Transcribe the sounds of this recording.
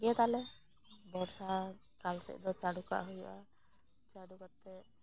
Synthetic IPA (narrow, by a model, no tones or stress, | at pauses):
ɡɛt̪alɛ | bɔɾsa | kalsɛ̰ʔd̪ɔt͡ʃaɽuka̰ʔɦuja̰ | t͡ʃaɽukat̪ːɛ